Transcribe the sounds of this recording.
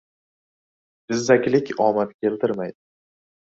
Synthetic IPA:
d̪̥ɪzːakʲlɪkʲɒmat̪kʲʰe̞lt̪ʰɪɾmajd̪ɪ

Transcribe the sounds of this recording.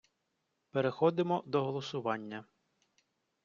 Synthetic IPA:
peɾexɔd̪ɪmɔd̪ɔɦɔlˠɔsʊʋɑnʲːɐ

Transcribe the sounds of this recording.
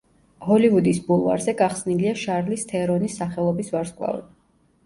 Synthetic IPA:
hɔlivud̪isbulˠva̰ɾzɛɡaχsniliaʃaɾlist̪ʰɛɾɔnisːaχɛlˠɔbisvaɾskʼwlˠa̰vɛ̰d̪

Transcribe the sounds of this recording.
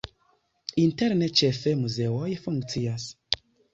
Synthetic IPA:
inteɾnet͡ʃefemuzeojfuŋk̚t͡sias

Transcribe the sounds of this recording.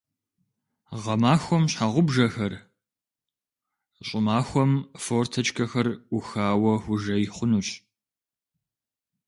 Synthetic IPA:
ʁɐmaːxʷɔmɕħaʁʷʊbʒɐxɐr | ɕʼɪmaːxʷɔmfortʰɐt͡ʃʼkʰɐxɐrʊxaːwɐxʷʊʒɐjɪχʷʊnuɕʼ

